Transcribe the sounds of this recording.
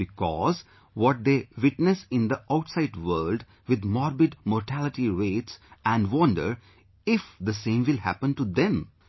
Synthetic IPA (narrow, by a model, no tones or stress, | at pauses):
bɪkɔ̰z | ʋɔʈ̚d̪eʋɪʈnəsɪ̃nd̪əʔaʊʈsaɪɖʋəːɾlɖ | ʋɪd̪mɔɾbɪɖmɔɾʈʰælɪʈiɾeːʈsæ̃nɖʋʌ̃nɖə̰ɾ | ɪfd̪əsẽːmʋɪlhæ̰pə̃nʈud̪ɛ̃m